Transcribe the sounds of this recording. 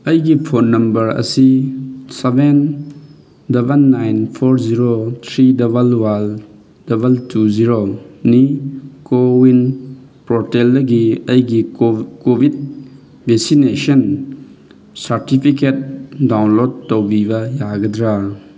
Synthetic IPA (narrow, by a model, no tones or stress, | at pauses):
ɐjɡipʰonːɐmbɐɾɐ̰siseben | dɐbenːajnpʰoɾziɾot̪ʰɾidɐbɐlwal | dɐbɐltuziɾonikowin | pɾoteldɐɡiɐjɡikobʱid̚ | besinesɔn | saɾtipʰiket̚dawnlodtːowbibɐjaɡɐdɾa